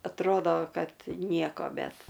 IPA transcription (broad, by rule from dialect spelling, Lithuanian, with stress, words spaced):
ɐtˈroːdoː ˈkɐt ˈnʲiɛkoː ˈbʲɛt